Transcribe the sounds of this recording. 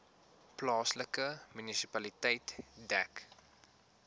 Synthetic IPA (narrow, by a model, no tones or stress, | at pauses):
plɑːsləkəmynisipɐlitɛjtdæk